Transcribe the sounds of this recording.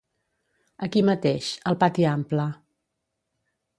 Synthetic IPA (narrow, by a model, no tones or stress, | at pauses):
əkimət̪eʃəlˠpat̪iamplə